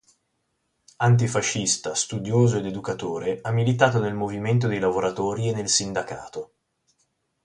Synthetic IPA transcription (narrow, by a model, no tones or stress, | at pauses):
ant̪̬ifaʃːist̪ast̪ud̪joːzoed̪ed̪ukat̪oːɾeamːilit̪aːt̪onelmoviment̪̬od̪ejlavoɾat̪oːɾienːelsind̪aka̰ːt̪o